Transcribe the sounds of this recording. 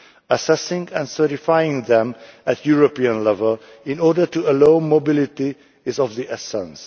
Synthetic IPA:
əsɛsɪ̃ŋæ̃nsɜ˞ɾifajɪ̃ŋðɛ̃mætʰjuɹopiə̃nlɛvəl | ɪ̃nɔɹdə˞tuəlõʊnmobɪlɪti | ɪzɔvðiʔɛsɛ̃ns

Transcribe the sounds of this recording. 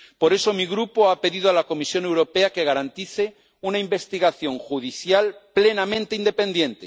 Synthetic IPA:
po̞ɾe̞so̞miɣɾupoape̞ðiðoalako̞misjone̞wɾo̞peake̞ɣ̞aɾant̪iθe | unaimbe̞st̪iɣaθjo̞ŋxuð̞iθjalple̞namẽnt̪eind̪e̞pẽ̞nd̪jẽ̞nt̪e

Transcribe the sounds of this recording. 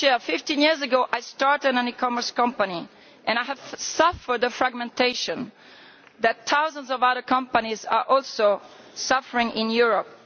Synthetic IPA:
t͡ʃɛɹfɪft̪ĩnjiɹzəɡoʔajstaɹt̪ə̃ɾə̃nikɔmə˞skʌ̃mpani | ʔɛ̃najævsʌfə˞d̪əfɹaɡmɛ̃nteʃɔ̃n | ðæt̪ʰːawzə̃ndzɔvaðə˞kʌ̃mpaniza̰ɹʔɔlso | sʌfəɹɪ̃ŋɪ̃njuɹɔp̚

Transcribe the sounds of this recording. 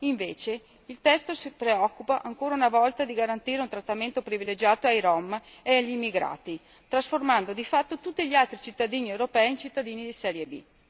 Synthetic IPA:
iɱveːt͡ʃe | ilt̪ɛst̪osipɾeɔkːupaʔaŋkoːɾaunavɔlt̪ad̪iɡaɾant̪iːɾeunt̪ɾat̪ːament̪opɾiviled͡ʒaːt̪oajɾɔmeaʎːimːiɡɾa̰ːt̪i | t̪ɾasformand̪od̪ifat̪ːot̪ut̪ːiʎialt̪ɾit͡ʃit̪ːad̪iːniewɾopɛːint͡ʃit̪ːad̪iːnid̪isɛɾjebḭ

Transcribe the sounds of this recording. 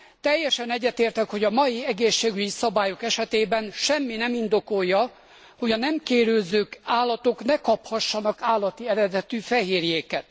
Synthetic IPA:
t̪ɛjːɛʃɛnɛɟːɛt̪eːrt̪ɛkho̞ɟɒmɒjiɛɡeːʃːeːɡyɟisɒbaːjo̞kɛʃɛt̪eːbɛnʃɛmːinɛmind̪o̞ko̞jːɒ | ho̞ɟɒnɛmkeːɾylzøːkaːlːɒt̪o̞knɛkɒphɒʃːɒnɒkaːlːɒt̪iɛɾɛd̪ɛt̪yfɛɦeːrjeːkɛt̪

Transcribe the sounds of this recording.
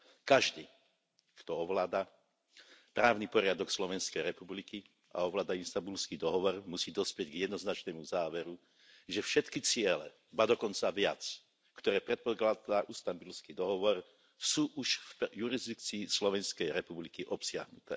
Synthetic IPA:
kaʒd̪iː | kt̪ɔɔʋlaːd̪a | pɾaːʊnipɔɾɪad̪ɔkslɔʋɛnskɛjɾɛpubliki | a̰ɔʋlaːd̪ainst̪ambulskid̪ɔɦɔʋɔɾmusiːd̪ɔspjɛɟɡjɛd̪nɔznat͡ʃnɛmuzaːʋɛɾu | ʒɛfʃɛt̪kit͡sɪɛlɛ̰ | baːd̪ɔkɔnt͡saʋɪat͡s | kt̪ɔɾɛːpɾɛt̪̚pɔklad̪aʔust̪ambulskid̪ɔɦɔʋɔɾ | suːʔuʃfjuɾizd̪ik̚t͡siːslɔʋɛnskɛjɾɛpublikiʔɔpsɪa̰ɦnut̪ɛ̰ː

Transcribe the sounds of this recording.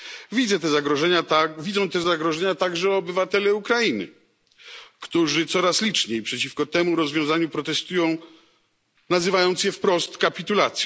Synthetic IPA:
vʲid̪zɛt̪ɛzaɡɾɔʐɛɲatavʲid̪zɔ̃w̃t̪ɛzaɡɾɔʐɛɲat̪aɡʐɛɔbɘvat̪ɛlɛukɾainɘ̰ | kt̪uʐɘt̪sɔɾaslʲit͡ʂɲejpʂɛt͡ɕifkɔt̪ɛmuɾɔzvʲjɔ̃w̃zaɲupɾɔt̪ɛst̪ujɔ̃w̃ | nazɘvajɔ̃nt̪sjɛfpɾɔst̪kapʲit̪ulat̪sʲj

